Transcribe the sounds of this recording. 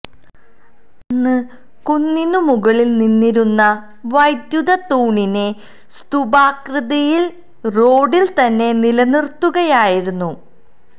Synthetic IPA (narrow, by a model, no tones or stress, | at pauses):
enːɨ | kunːinumuɣɐɭilninːiɾunːɐ | ʋɐjd̪jud̪ɐt̪uːɳine̞ | st̪ubaːkrɨðɐjil | ro̞ːɖilt̪ɐnːe̞nilɐnirt̪ːuɣɐjaːjiɾunːu